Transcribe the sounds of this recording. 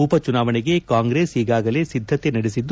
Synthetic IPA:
upɐt͡ʃunaːʋɐneɡe̞kaːŋɡɾe̞ːsiːɡaːɡɐle̞sid̪ʱːɐt̪enɐɽesid̪ː

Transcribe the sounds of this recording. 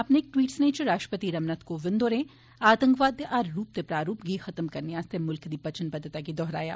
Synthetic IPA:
aːpneeːk̚ʈʋiːʈsnẽt͡ʃɾaːʃʈɾəpət̪iɾɐmnət̪koʋɪ̃nd̪oːɾẽ | aːt̪ə̃ŋkʋaːd̪ʔaːɾɾuːp̚t̪epɾaːɾuːpɡiːxɐt̪mkɐɾneaːst̪emʊlkd̪ipɐt͡ʃənpɐd̪ʱːət̪akid̪ɔːɦɾa̰ːja̰ː

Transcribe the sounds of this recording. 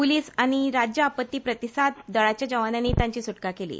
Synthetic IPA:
puliːsaɽ̃iɾad͡ʑjəapət̪ːiːpɾət̪isad̪̚d̪əɭat͡ɕjad͡ʑəʋananiːt̪jãɲt͡ɕiːsuʈkakelḭː

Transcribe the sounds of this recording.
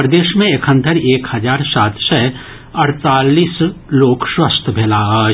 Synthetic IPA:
ɾd̪eːʃmẽɪkʰə̃nt̪ʰəɾeːkhɐd͡ʒaːɾsaːt̪ʃə | ɐɾt̪aːliːsloːkʃwəst̪ʰbʱeːlaːɦə

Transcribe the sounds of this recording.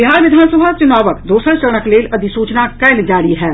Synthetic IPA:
bɪɦaːɾʋɪd̪ʱaːnsəbʱat͡ʃʊnaːʋəkd̪oːsəɾt͡ʃəɽ̃əkleːlɐd̪ʱisuːt͡ʃnakɐːld͡ʒaːɽiɦɛː

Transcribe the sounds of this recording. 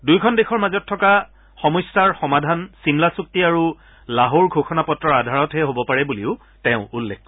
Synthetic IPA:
dujkʰɔndexʰɔɹmazɔtʰːɔka | xɔmɔjstaɹxɔmadʱansimlasuk̚tiaɹu | laɦoɹɡʱoxʰɔnapɔtɹɔɹadʱaɹɔtɦɛɦobɔpaɹɛbuliʊ | tɛ̃ʊ̃ulːekkɔ

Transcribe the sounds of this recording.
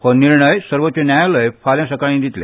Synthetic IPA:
honiɾɳəjsəɾʋot̪ːt͡ɕenjajaləjfaljãsəkaɭĩːd̪ʱit̪lḛ

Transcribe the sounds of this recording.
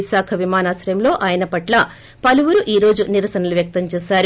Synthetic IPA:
isaːkʰɐʋimaːnaːsɾɐjɐmlo̞ːʔaːjɐnɐpɐʈlɐ | pɐluʋuɾuʔiːɾo̞ːd͡ʒuniɾɐsɐnɐluʋjɐk̚t̪ɐɲt͡ʃɛːsaːɾu

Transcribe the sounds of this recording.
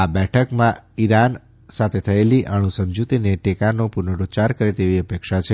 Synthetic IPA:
abɛʈʰəkmãiɾan | sat̪ʰet̪ʰəeliʔəɽ̃ũsəmd͡ʒut̪ineʈekanopunəɾot͡ʃaɾkəɾet̪eʋiəpekʃat͡ʃʰe

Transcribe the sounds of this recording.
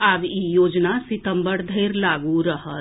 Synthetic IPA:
abijoːd͡ʒnasɪt̪əmbəɽd̪ʱeːɾlaːɡuɾəɦə

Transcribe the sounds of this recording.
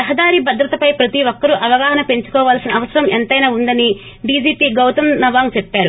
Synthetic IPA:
ɐɦɐd̪aːɾibɐd̪ɾɐt̪ɐpɐjpɾɐt̪iʋɔkːɐɾuʔɐʋɐɡaːɦɐnɐpe̞ɲt͡ʃu̥kɔːʋaːlsinɐːʋɐsɐɾɐment̪ɐjnaːund̪ɐni | ɖiːd͡ʒiːpiːɡɐwt̪ɐmnɐʋaːŋt͡ʃɛpːaːɾu

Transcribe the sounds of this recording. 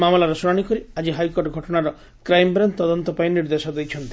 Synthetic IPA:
mamɔlaɾɔsuɾaɽ̃ikɔɾiad͡ʒiɦajkoɾʈɡʱɔʈɔɽ̃aɾɔ | kɾajmbɾant̪t̪ːɔd̪ɔnt̪ɔpajniɾd̪esɔd̪ejt͡ʃʰɔnt̪i

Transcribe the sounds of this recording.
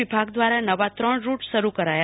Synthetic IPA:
ibʱaɡd̪ʋaɾanəʋat̪ɾəɳɾuʈʃəɾukəɾaja

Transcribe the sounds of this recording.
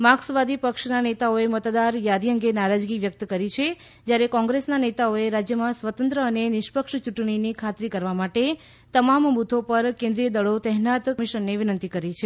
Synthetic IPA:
maksʋad̪ipəkʃnanet̪aoemət̪d̪aɾjad̪iəŋɡenaɾad͡ʒɡiʋjək̚t̪kəɾit͡ʃʰe | d͡ʒjaɾekɔ̃ŋɡɾesnanet̪aoeɾad͡ʒjəmãsʋət̪ənt̪ɾəːnenɪʃpəkʂt͡ʃuʈɳ̃inikʰat̪ɾikəɾʋamaʈe | t̪əmambut̪ʰopəɾkẽnd̪ɾijəd̪əɭot̪ɛɦnat̪miʃənːeʋɪnənt̪ikəɾit͡ʃʰe

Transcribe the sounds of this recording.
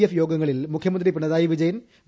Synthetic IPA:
efjo̞ːɡɐŋːɐɭilmukʰjɐmɐnd̪ripiɳɐðaːjiʋid͡ʑɐjɐn | ʋ

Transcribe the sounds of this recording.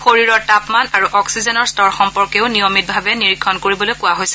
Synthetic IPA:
xoɹiɹɔɹtapmanaɹuʔɔksizɛnɔɹstɔɹxɔmpɔɹkeʊnijɔmit̚bʱabɛniɹikʰːɔnkoɹibɔlojkʊwaɦojsɛ̥

